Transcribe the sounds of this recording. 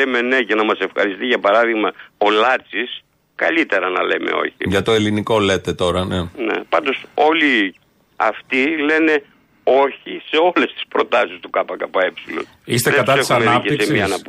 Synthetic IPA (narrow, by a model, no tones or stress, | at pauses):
eme̞ne̞ce̞nɐmɐse̞fxɐ̰ɾist̪iʝɐpɐɾɐðiɣmɐo̞lɐt͡sis | kɐ̰lit̪e̞ɾɐnɐle̞̰me̞̰o̞̰çḭʝɐt̪o̞e̞liniko̞le̞t̪et̪o̞ɾɐnene̞̰pɐnd̪o̞so̞li | ɐ̰ft̪ile̞ne̞ | o̞çise̞o̞le̞st̪i̥spɾo̞t̪ɐsist̪ukɐpɐkɐpɐe̞psilo̞̰n | ist̪eðekɐt̪ɐseisɐmenɐeisemiɐnɐp̪